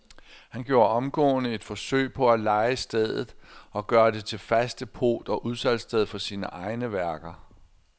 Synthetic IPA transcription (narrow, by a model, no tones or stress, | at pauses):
hænɡ̥jo̝ːɐɒ̽mɡ̥ɔ̰̽ːnəe̝d̥fɒ̽sø̰ɪ̰pʰɒ̽ælɑ̈ɪəsd̥eð̞̰ˠð̩ˠɒ̽ɡ̥ɶːɐd̥e̝t͡sʰe̝lfæsd̥əpʰo̝̰ːd̥ɒ̽ʔuð̞ˠsæl̰sd̥eðˠfɒ̽siːnəʔɑ̈ɪnəʋæɐɡ̥ɐ